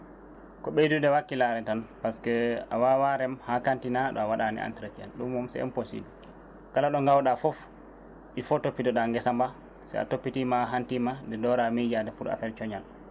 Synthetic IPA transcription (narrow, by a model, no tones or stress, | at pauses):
kɔɓejdundɛwakːilaɾɛtanpaskɛawawaɾɛmhakantinaɗɔ̰awaɗanḭa̰ntɾatia̰nɗumːɔmsɛ̰ɛ̰mposḭbil | kalaɗɔŋɡawɗafɔf | ʔifɔtopːitɔɗaŋɡɛsamba | sɛ̰a̰topːitimaɦantimadɛdɔɾamid͡ʒadɛpuɾa̰fɛɾt͡ʃɔɲal